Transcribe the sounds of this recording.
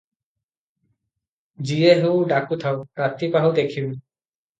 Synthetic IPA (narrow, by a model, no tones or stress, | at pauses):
zieɦewɖakut̪ʰawpɹat̪ipaɦud̪ekʰib